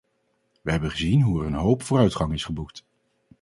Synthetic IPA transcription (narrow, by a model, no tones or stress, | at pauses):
ʋəɦɛbəχəzinɦuɛrənɦowpfʊːrœɥtχɑŋɪsχəbukt